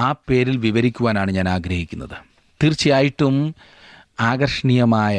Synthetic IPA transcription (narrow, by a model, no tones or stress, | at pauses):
aːpe̞ːɾilʋiʋɐɾikʲːuʋaːnaːɳɨɲaːnaːɡɾɐhikʲːunːɐ̰ðɨ | t̪irt͡ɕːijaːjiʈːum | aːɡɐrʂɐɳijɐmaːjɐ